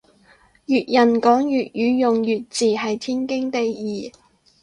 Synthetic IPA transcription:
jyː˨t̚jɐ˨˩nkɔː˨˥ŋjyː˨t̚jyː˨˥jʊ˨ŋjyː˨t̚t͡siː˨˩ɦɐ˨jt̪ʰiː˥nkɪ˥ŋt̪e˨jjiː˨˩

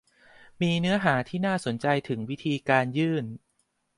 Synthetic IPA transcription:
miː˧nɯ˦˥ɐɦaː˩˦t̪ʰiː˥˩naː˥˩so˨˩˦nt͡ɕa˧jt̪ʰɯ˩˦ŋwi˦˥t̪ʰiː˧kaː˧njɯː˥˩n

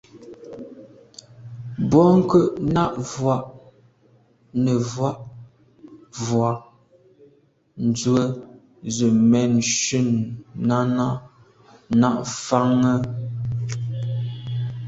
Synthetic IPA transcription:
bɔ˦ŋ̩˦kə˦ʔna˦ʔvwa˦˨ʔ | nə˨vwa˦ʔ | vwa˨ | n̩˨d͡zwə˦ | zə˨mɛ˨nʃʉ˦˨nːa˦na˦ʔ | na˦˨ʔfa˦ŋə˦

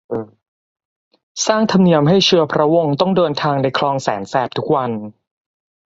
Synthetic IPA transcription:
ʔː | saː˥˩ŋt̪ʰa˧mni˧əmɦa˥˩jt͡ɕʰɯ˧ɐpʰɾa˦˥wo˧ŋt̪ɔ˥˩ŋdɤː˧nt̪ʰaː˧ŋda˧jkʰlɔː˧ŋsɛː˩˦nsɛː˨˩p̚t̪ʰu˦˥k̚wa˧n

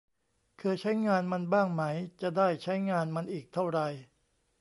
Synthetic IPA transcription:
kʰɯː˧t͡ɕʰa˦˥jŋaː˧nma˧nbaː˥˩ŋma˦˥jt͡ɕa˨˩daː˥˩jt͡ɕʰa˦˥jŋaː˧nma˧nʔiː˨˩k̚t̪ʰa˥˩wɾa˧j

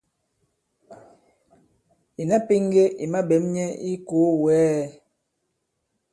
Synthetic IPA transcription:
i˨na˦pi˦ŋ˦ɡe˦ʔi˨ma˦be˨˦mɲɛ˦i˦ko˨˦wɛː˨˦˨

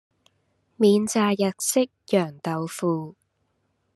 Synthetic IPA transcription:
miː˨˧nt͡saː˨˧jɐ˨k̚sɪ˥k̚jœː˨˩ŋt̪ɐ˨wfuː˨˧

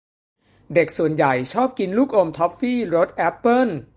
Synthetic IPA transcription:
de˨˩k̚su˨˩ənja˨˩jt͡ɕʰɔː˥˩p̚ki˧nluː˥˩k̚ʔo˧mt̪ʰɔ˦˥p̚fiː˥˩ɾo˦˥t̪̚ʔɛ˦˥pːɤ˥˩n

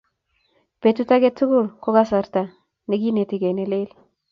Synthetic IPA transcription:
pe˨tu˦ta˦ɡe˦tu˦ɡʊ˦˨lko˦ɡa˦sa˨ɾta˨ | ne˨ɡi˦ne˨ti˨ɡe˨ne˨le˦l

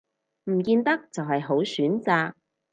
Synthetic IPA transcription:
m̩˨˩kiː˧nt̪ɐ˥k̚t͡sɐ˨wɦɐ˨jɦo˨˥wsyː˨˥nt͡saː˧k̚

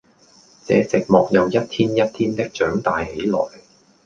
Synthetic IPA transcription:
t͡sɛː˨˥t͡sɪ˨k̚mɔː˨k̚jɐ˨˧wjɐ˥t̚t̪ʰiː˥njɐ˥t̚t̪ʰiː˥nt̪ɪ˥k̚t͡ʃœː˨˥ŋt̪aː˨jhe˨˥jlɔ̰ː˨˩j

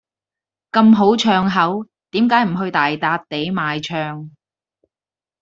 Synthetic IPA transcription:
kɐ˧mɦo˨˥wt͡ʃʰœː˧ŋɦɐ˨˥w | t̪iː˨˥mkaː˨˥jm̩˨˩ɦɵ˧ɥt̪aː˨jt̪aː˧t̚t̪e˨˥jmaː˨˧jt͡ʃʰœː˧ŋ

